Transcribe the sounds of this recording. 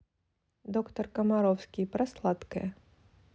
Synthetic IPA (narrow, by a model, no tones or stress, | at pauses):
d̪ɔkt̪ɐrkɐmaɾɔwskʲipɾaslˠat̪kɐ̰jɐ